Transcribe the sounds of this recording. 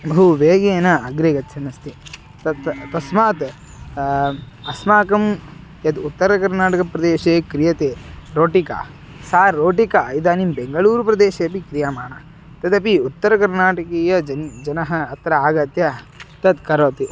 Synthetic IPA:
bɐɦuʋeːɡeːnɐɐɡɾeːɡɐt̪t͡ʃʰɐnɐst̪i | t̪ɐt̪t̪ɐsmaːt̪ | ɐsmaːkɐm | jɐd̪ut̪ːɐɾɐkɐɾnaːʈɐkɐpɾɐd̪eːʃeːkɾijɐt̪eːɾoːʈika̰ | saːɾːoːʈikaɐid̪aːnimbeŋɡɐɭuːɾɐpɾɐd̪eːʃeɐpikɾijaːmaːɳɐ | t̪ɐt̪ɐpiut̪ːɐɾɐkɐɾnaːʈɐkiːjɐd͡ʒɐnd͡ʒɐnɐɦɐːt̪ɾɐaːɡɐt̪jɐ | t̪ɐd̪kɐɾoːt̪i

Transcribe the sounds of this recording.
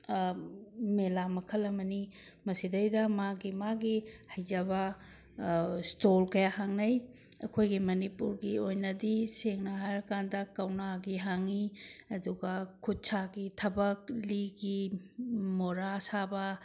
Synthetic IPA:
melamɐkʰɐlɐmɐni | mɐsidɐjdɐmaɡimaɡihɐjd͡ʒɐβɐ | stolkɐjahaŋnɐj | ɐ̰kʰojɡimɐnipuɾɡiojnɐdiseŋnɐɦajɾɐkandɐkɐwnaɡiɦaŋiɐduɡɐkʰut̚t͡ʃaɡitʰɐbɐk̚liɡi | moɾasabɐ

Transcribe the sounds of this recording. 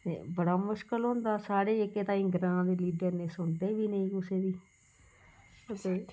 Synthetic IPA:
t̪ḛːbəɽaːmʊʃkəlɦʊ̃nd̪aːsaːɽeːɪkeːt̪ãːĩːɡɾãːd̪eːliːɖəɾnẽːsʊɳd̪eːʋiːnəĩːkʊseːd̪iː | ət̪eː

